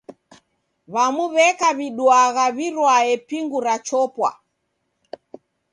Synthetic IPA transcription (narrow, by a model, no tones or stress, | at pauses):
βamuβɛkaβiɗwaɣaβiɾwaɛpiŋɡuɾat͡ʃɔpwa̰